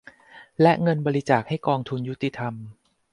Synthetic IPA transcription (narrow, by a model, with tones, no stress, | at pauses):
lɛ˦˥ŋɤ˧nbɔː˧ɾi˦˥t͡ɕaː˨˩k̚ha˥˩jkɔː˧ŋt̪ʰu˧nju˦˥t̪i˧˩t̪ʰa˧m